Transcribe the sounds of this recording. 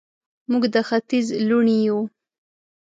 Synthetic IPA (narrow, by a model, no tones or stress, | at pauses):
muɡd̪əxat̪izluɳiju